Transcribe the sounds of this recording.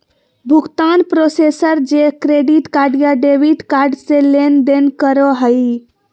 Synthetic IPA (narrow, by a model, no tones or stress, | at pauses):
bʱukt̪anpɾosesəɾd͡ʒekɾeɖiʈkaɾɖijaɖebiʈkaɾɖselend̪enkəɾɔɦəj